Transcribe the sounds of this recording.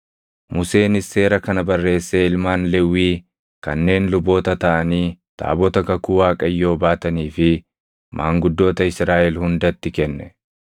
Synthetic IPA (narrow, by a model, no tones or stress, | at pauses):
mʊse̞ːnɪsːe̞ːɾɐkɐnɐbɐrːe̞ːsːeːɪlmaːnlɛwːiː | kɐ̰nːe̞ːnlʊbo̞ːt̪ɐt̪ɐʔɐniːt̪a̰ːbɔt̪ɐkɐkuːwaːkʼɐjːo̞ːbaːt̪ɐniːfɪ | mʔaːŋɡʊd̪ːo̞ːt̪ɐɪsɾaːʔɛlhʊnd̪ɐt̪ːɪkɛnːɛ